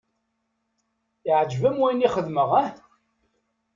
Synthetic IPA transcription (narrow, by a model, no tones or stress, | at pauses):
iʕd͡ʒvæmwæjniχəðməʁæ